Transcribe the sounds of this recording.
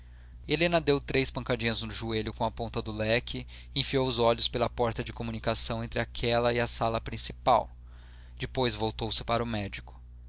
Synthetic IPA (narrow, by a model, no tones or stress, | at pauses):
elẽnɐd̪ewt̪ɾejspɐ̃ŋkad͡ʒĩɲɐznʊʒueʎʊkõw̃ɐpõnt̪ɐd̪ʊlɛkʰɪ | ẽfiowʊzɔʎʊspelɐpɔɾt̪ɐd͡ʒɪkomunikasɐ̃w̃ẽnt̪ɾɪakʰɛlɐɪɐsalɐpɾĩsi̥pa̰w | d͡ʒɪpojzvowt̪owsɪ̥paɾʊmɛd͡ʒikʊ̥